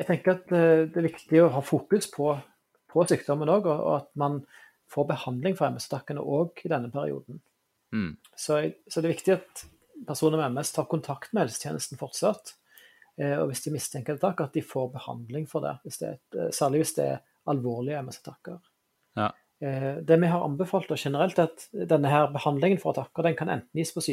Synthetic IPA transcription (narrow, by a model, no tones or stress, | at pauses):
ɛɡt̪ʰɛŋkəɾɑt̪d̪ɛæɾʋɪkt̪ɪɔɦɑːfuːkʉspʰɔ | pʰɔsyːk̚d̪ɔmənoːɡɔɔ̰ɑt̪mɑn | foːɾbəhɑnd̪lɪŋfɔɾɛmːəsɑt̪ɑkːənə̰ʔoːɡɪd̪ɛnːəpʰæɾɪ̰ṵːd̪n̩ | sɔɡsɔd̪ɛɾʋɪkt̪ɪɑt̪ | pʰæʁsuːnəɾmɛmːɛst̪ʰɑːɾkʊnt̪ʰɑkt̪mɛhɛlsə̥t̪ʰjeːnəst̪n̩fɔɾt̪sɑt̪ | ɔ̰ʋɪsd̪ɪmɪst̪ʰɛŋkəd̪ɛt̪ʰɑkːɑt̪̚d̪ɪfoːɾbəhɑ̰nd̪lɪŋfɔʁd̪ɛ̰ʋɪsd̪ɛ̰æ̰sæːɾʁlɪʋɪsd̪ɛɛ̰ɾ | ɑlʋoːʁlɪəɛmɛsə̥t̪ʰɑkːəʁ | d̪ɛmɛɦɑɾɑ̰mbəfɑːlt̪d̪ɔʃɛnəɾɛlt̪ɑt̪d̪ɛnːəɦæːɾbəhɑnd̪lɪŋənfɔʁɑt̪ʰɑkːəd̪ɛnŋkʰɑnɛ̰nt̪n̩jiːspʰɔsi